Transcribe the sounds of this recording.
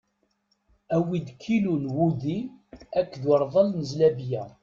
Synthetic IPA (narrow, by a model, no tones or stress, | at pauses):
æwid̪kʰːilunwud̪iækːðwəɾˤðˤəlnəzlæbjæ